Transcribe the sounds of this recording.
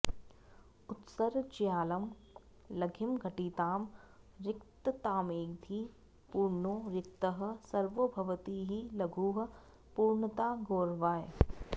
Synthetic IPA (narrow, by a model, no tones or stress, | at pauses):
ʊt̪səɾt͡ʃijaːlɐm | lɐɡʱɪmɡʱɐʈiːt̪aːmɾɪkt̪t̪aːmeːɡd̪ʱiː | puːɾɳoːɾɪk̚t̪əɦɐ̆sɐɾʋəbʱɐʋət̪iːɦilɐɡʱuːɦɐ | puːɾɳət̪aːɡoːɾʋaːj